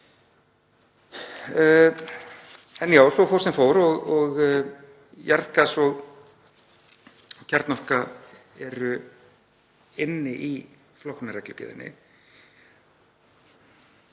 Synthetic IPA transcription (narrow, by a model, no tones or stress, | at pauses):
ɛnjaːwsɔfowɾsɛnfoːwɾɔɣɔɣ | jɛɾt̪kasɔɣ | ɔcʰɛɾt̪nɔhka | ɛɾʏ | ɪnːɪʔi | flɔwh̪naɾɛklʏcɪ̰ðɪ̰nːɪ̰